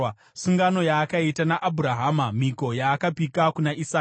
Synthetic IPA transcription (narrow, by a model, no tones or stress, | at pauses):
suŋɡano̞jaːkaitanaʔabʱuɾaɦaːmamiko̞jaːkapikakunaʔisaː